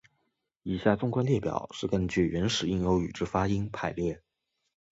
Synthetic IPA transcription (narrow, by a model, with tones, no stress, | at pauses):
i˨˩ɕja˥˩ʈ͡ʂʊ˥ŋkwa˥nljɛ˥˩pjɑ̰˨˩˦ʊʂɻ̩˥˩kə˥nt͡ɕy˥˩ɥə˧˥nʂɻ̩˨˩i˥˩ŋjo˧˥ʊy̰˨˩ʈ͡ʂɻ̩˥fa˥i˥ŋpʰa˨˩ɪljɛ˥˩